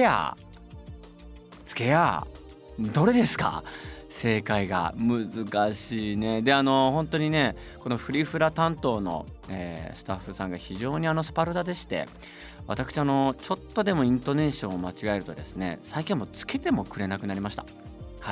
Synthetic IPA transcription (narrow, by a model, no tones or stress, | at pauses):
ea̰ | t͡sɨ̥ke̞a̰ | d̪o̞ɾe̞d̪e̞sɨ̥ka̰se̞ːkaiɡa̰mɯ̟zɨkaɕiːne̞d̪e̞ano̞hõ̞nt̪o̞ɲ̟ine̞ | ko̞no̞ɸɯ̟ɾʲiɸɯ̟ɾat̪ãnt̪o̞ːno̞̰ | ḛːsɨ̥t̪aɸːɯsãŋɡaçiʑo̞ːɲ̟iano̞sɨ̥paɾɯd̪ad̪e̞ɕi̥t̪e̞̰ | βa̰t̪akɯ̟ɕiano̞t͡ɕo̞t̪ːo̞d̪e̞mo̞ĩnt̪o̞ne̞ːɕõɰ̃omat͡ɕiɡae̞ɾɯ̟t̪o̞̰d̪e̞sɨne̞̰saikʲĩmːo̞t͡sɨ̥ke̞t̪e̞mo̞kɯ̟ɾe̞nakɯ̟naɾimaɕi̥t̪ḁ | hai